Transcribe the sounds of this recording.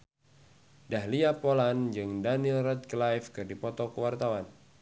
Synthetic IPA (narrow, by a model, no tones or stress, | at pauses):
dahliapoland͡ʒɨŋdanilrɛt̪̚klajfkɨrdipɔt̪ɔkuwart̪awan